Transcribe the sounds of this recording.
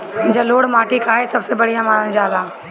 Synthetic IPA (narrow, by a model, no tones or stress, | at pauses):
d͡ʒɐloːɽmaːʈikaːɦesɐbsebɐɽ̤ijãmaːnənd͡ʒaːd̪aː